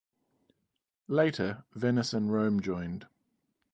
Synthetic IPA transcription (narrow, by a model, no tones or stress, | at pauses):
leɪtʰəvɛnɪsə̃nɹə̃ʊ̃md͡ʒɔ̃ɪ̃nd̥